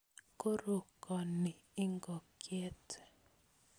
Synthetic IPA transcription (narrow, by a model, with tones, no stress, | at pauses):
ko˦ɾo˨kɔ˨ni˨ | ɪ˦ŋɡɔ˨ke˦t